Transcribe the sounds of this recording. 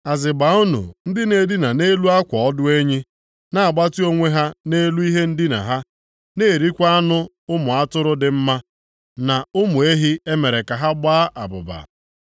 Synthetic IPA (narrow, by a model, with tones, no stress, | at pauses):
a˨zɪ˨ba˨˦ʊ˦nṵ˨n̩˦dɪ˦ne˨dɪ˦na˨ne˦lu˦a˦kʷɔ˨ɔ˦dʊ˦e˦ɲi˦ | na˨a˨ɡ͡ba˦ti˦o˦ŋʷe˦ɦa˦ne˦lu˦i˦ɦe˦n̩˦dɪ˦na̰˨ɦa˦ | ne˦˨ɾi˦kʷa˦a˦nʊ˦ | ʊ˦mʊ˨a˦tʊ˦ɾʊ˦dɪ˨m̩˦ma˦ | na˨ʊ˦mʊ˨e˦ɦi˦e˦me˨ɾe˨ka˨ɦa˦ɡ͡baː˦ʔa̰˨bʊ̰˨ba̰˨